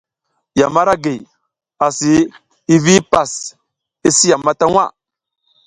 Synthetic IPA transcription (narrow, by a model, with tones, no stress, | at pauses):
ja˨ma˦ɾa˦ɡe˨ | a˨si˨˦ | i˦vi˦pa˨s | i˦si˦ja˨mːa˦ta˦ŋwʷa̰˦